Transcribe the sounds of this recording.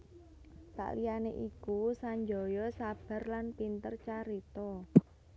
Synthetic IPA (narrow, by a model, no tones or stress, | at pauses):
sa̰ʔlijaneʔikusaɲd͡ʒɔ̤jɔsab̥a̤rlanpint̪ərt͡ʃaɾit̪ɔ